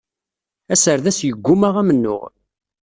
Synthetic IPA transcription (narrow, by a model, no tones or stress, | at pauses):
æsəɾðæsjəɡʷːʊmaʁæmənːʊ̰ʁ